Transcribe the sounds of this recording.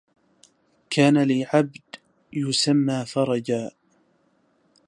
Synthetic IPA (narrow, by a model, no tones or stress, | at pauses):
kʰaːnalɪʕabd̪ | jʊsamːaːfɑɾˤɑd͡ʒaː